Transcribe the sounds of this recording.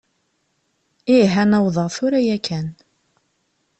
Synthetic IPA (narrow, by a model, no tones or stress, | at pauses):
iɦænæwðˤəʁθʊɾæjækʰæn